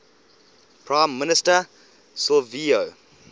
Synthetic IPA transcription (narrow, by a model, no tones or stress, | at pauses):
pʰɹãɪ̃mːɪnɪstə | sɔlvio